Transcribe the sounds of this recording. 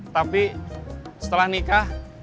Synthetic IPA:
t̪api | sə̥t̪əlahnikah

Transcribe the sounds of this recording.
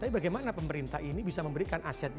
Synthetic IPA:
t̪apibaɡajmanapəməɾint̪ahinibisaməmbəɾikanʔasɛt̪̚d

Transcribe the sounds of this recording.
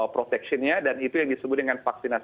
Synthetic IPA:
pɾot̪ɛksɔnɲadanit̪ujaŋdisəbʊt̪̚dəŋanfaksinas

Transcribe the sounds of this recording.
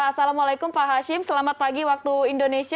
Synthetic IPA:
asalamalakumpaɦaʃɪmsəlamat̪̚paɡiwak̚t̪uindonesi

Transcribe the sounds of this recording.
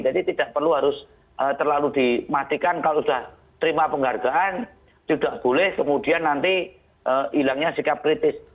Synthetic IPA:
d͡ʒadit̪id̥aʔpərluɦaɾʊs | ʔət̪ərlalud̪̥imat̪ikankaloʔud̥ah | t̪əɾimapəŋarɡaʔan | t̪id̥aʔb̥olɛhkəmud̥i̤anːant̪i | ʔəilaŋɲasikap̚kɾit̪ɪs

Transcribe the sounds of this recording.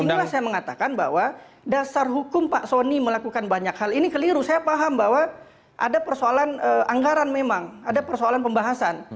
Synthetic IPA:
inlahsajaməŋat̪akanba̰ɦwa | dasarɦukʊmpaʔsoniməlakukanbaɲakhalinikəliɾusajapaɦambawa | ʔa̰dapərsoalanəaŋɡaɾanmemaŋadapərsoalanpəmbaɦasan

